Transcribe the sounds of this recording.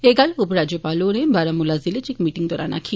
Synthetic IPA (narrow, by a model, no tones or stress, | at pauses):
eɡalupɾad͡ʒjopaloɾebaɾamulazilet͡ʃikmiʈiŋd̪ɔɾa̰na̰kʰi